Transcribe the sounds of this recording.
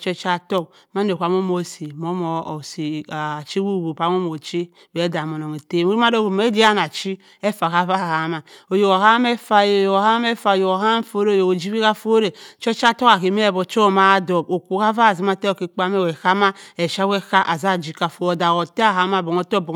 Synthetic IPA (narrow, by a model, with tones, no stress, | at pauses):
t͡ʃe˦t͡ʃa˦to˦k̚ | ma˦n˨e˨kʷa˨˦m˦o˦mo˨si˨mo˦mo˨si˨a˨t͡ʃi˦wu˦˨ɡu˨pa˨˦m˦o˦mo˨t͡ʃi˦ | we˦da˨mo˨no˨ŋe˨te˦˨mo˦m˦a˦do˦˨ko˨me˦di˦a˦n˨a˨t͡ʃi˦ | e˦fa˨ka˦va˦˨ha˨˦ma˨o˨jo˨ko˨ha˦m˦e˦fa˦jjo˨o˨ha˦e˦fa˨o˨jo˨o˨ha˦m˦fo˦ɾe˦o˨jo˨o˨d͡ʒi˦βi˦ka˦fo˦ɾe˨t͡ʃe˦t͡ʃa˦to˦ka˨ki˨me˦˨bo˨t͡ʃo˦ma˦do˨bo˨kʷu˨˦ka˦va˦˨zi˨˦ma˦˨te˦o˨ki˦k͡pa˦me˦˨we˨ka˦ma˦e˨ʃa˦we˦ka˦ʔa˨za˦˨d͡ʒi˦ka˨fo˨o˨da˨wo˨te˦a˦˨a˦ma˦˨bo˨ŋo˦to˦bo˨